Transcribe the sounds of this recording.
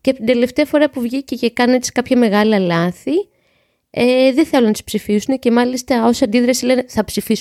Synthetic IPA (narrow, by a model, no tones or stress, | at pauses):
ceɐpot̪ind̪e̞le̞ft̪eɐfo̞ɾɐpuvʝiceʝekɐne̞t̪si̥kɐpçɐme̞ɣɐliɐlɐθi | eðe̞θe̞lonɐt̪i̥spsifisune̞ce̞mɐlist̪ɐo̞sɐnd̪iðɾɐsile̞neθɐpsifis